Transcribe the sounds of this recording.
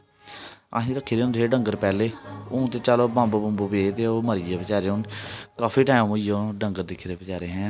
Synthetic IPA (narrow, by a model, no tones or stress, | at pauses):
a̰ɦĩːɾəkʰːiːɾeʊ̃nd̪ɦeːɖəŋɡəɾpɛːleːõːt̪eːt͡ʃaːloːbãːmbobəmbuːbeːt̪eːoːməɾɪjaːbət͡ʃaːɾeːoːnkaːfʰiːʈaːmoɪjoːɖəŋɡəɾd̪ɪkʰːɾeːbɪt͡ʃaːɾeːɦɛ̃ː